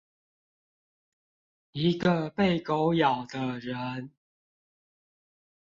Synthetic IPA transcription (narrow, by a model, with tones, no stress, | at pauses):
i˨˦ɡə˨˧pe˥˨ɪko˨˦ʊjɑ˨˩ʊd̪ə˦ɻə˨˦n